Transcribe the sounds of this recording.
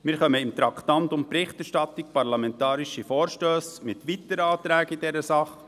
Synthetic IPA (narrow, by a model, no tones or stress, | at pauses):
mɪːɾχœməɪmt̪ɾɑkt̪ɑntʊntpɾɪχtɛɾʃtɑtɪk̚pɑɾlɑmɛntɑːɾiʃifɔːɾʃtøːsmɪtʋit̪əɾɑːt̪ɾɛːɡidɛɾəsɑχ